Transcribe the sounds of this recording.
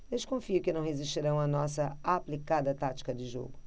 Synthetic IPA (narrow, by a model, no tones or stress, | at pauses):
d̪eʃkõfiʊkɪnɐ̃w̃heziʃt͡ʃiɾɐ̃w̃ɐnɔsɐaplikad̪ɐt̪at͡ʃi̥kɐd̪ɪʒo̰ɡʊ